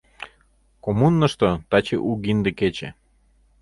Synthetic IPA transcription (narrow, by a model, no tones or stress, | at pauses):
komunːə̆ʃt̪ot̪ɑt͡ɕḛʔuɣind̪eket͡ɕḛ